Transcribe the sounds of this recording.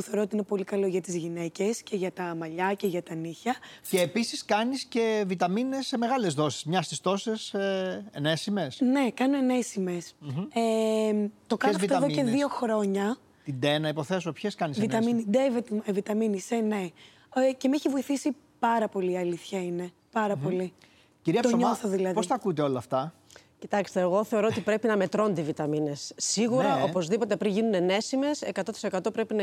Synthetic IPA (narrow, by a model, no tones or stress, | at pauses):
puθeoɾot̪iinepo̞likɐlo̞ʝɐt̪izʝine̞ce̞sce̞ʝɐt̪ɐmɐʎɐce̞ʝɐt̪ɐniçɐceːpisiskɐnisce̞vit̪ɐminesemeɣɐlezðo̞si̥smɲɐst̪ist̪o̞seseenesimesne̞kɐnoene̞sime̞se | t̪o̞kɐoft̪oeðoceðio̞xɾo̞ɲɐ | t̪id̪enɐipo̞θe̞sopçeskɐnisviɐminid̪evet̪vit̪ɐminisene | cemeçivoiθisi | pɐɾɐpo̞liːɐliθçɐine̞ | pɐɾɐpo̞li | ciɾiɐt̪oɲo̞θoðilɐðpoist̪ɐkut̪eo̞lɐːft̪ɐ | cit̪ɐkst̪e̞ːɣo̞θe̞oɾo̞ot̪ipɾe̞pinɐme̞t̪ɾo̞nd̪ivit̪ɐmine̞sːiɣuɾɐʔo̞po̞zðipo̞t̪epɾiɲʝinunene̞sime̞se̞kɐt̪o̞t̪i̥se̞kɐt̪o̞pɾe̞pin